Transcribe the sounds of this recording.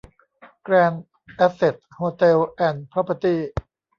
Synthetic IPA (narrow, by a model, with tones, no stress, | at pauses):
kɾɛː˧n | ʔɛ˦˥se˨˩t̪̚hoː˧t̪e˧wʔɛ˧˩npʰɾa˦˥pːa˧t̪iː˥˩